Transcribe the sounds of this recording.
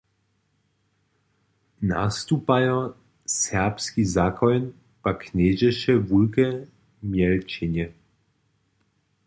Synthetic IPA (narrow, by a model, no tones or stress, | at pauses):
na̰st̪upajɔ | sɛʁpskizaːkɔjn | pakneːʒɛʃɛvulkɛ | mjɛlt͡ʃɛnjɛ